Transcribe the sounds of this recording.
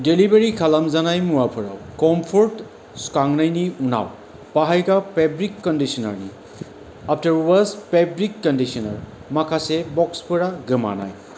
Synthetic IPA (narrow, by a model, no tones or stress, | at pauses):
delibeɾikʰalamzanajmuwapʰɯɾa̰wkɔmpʰɔɾt | skaŋnajniuna̰w | paɦajkapebɾikːɔndisɔna̰ɹnḭ | ap̚ʰtaɹwazpebɾikːɔndisɔna̰ɹ | makʰasebɔkspɯɾaɡɯma̰na̰j